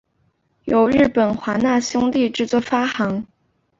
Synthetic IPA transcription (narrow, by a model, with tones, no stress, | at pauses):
jo˨˩ʊɻɻ̩˥˩pə˨˩nxwa˧˥na˥˩ɕjʊ˥ŋt̪i˥˧ʈ͡ʂɻ̩˥˧t͡swɔ˥˩fa˥xɑ˧˥ŋ